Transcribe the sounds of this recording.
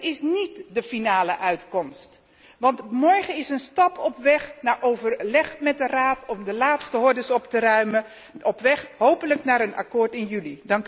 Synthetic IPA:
ɪsnitdəfinaːləʔœɥtkɔmst | ʋɑntmɔɹχəɪsənstɑpɔpʋɛχnaːʔowvəɹlɛχmɛt̚dəraːtɔmdəlaːtstəɦɔɹdəsɔptərœɥmə | ɔpʋɛχɦowpələknaːɾənʔa̰kʊːɹtɪnjylidɑŋk

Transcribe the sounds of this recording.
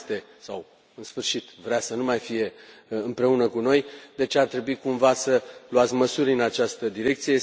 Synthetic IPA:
t̪e̞ | sa̰w | ɨnsfɨrʃit̪vɾeasənumajfije̞ɨmpɾe̞unəkuno̞jd̪e̞t͡ʃeart̪ɾe̞buikumvasəluat̪sʲməsuɾʲɨnat͡ʃast̪əd̪iɾe̞k̚t̪sije̞

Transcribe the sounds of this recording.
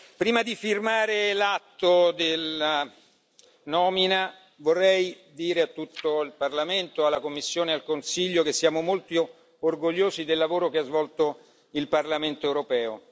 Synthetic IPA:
pɾiːmad̪ifirmaːɾelat̪ːod̪ela | nɔːmina | vorːɛj | d̪iːɾeat̪ːut̪ːoilparlament̪oalːakomːisːjoːnealkonsiʎːokesːjaːmomolt̪io | orɡoʎːoːsid̪elːavoːɾokeazvɔlt̪o | ilparlament̪oɛwɾopɛːo

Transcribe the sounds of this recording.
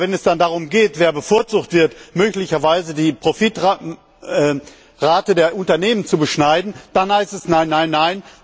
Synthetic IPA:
vɛnɛsd̥andaʁ̞ʊmɡeːtv̥eːɐbəfoːɐt͡suːktv̥ɪɐtmøːklɪçɐvaɪzədiːpʁ̥ofɪtʁ | ɛː | ʁaːtədeːɐʔʊntɐneːmənt͡subəʃnaɪdn̩d̥anhaɪstɛsnaɪnːaɪnːaɪn

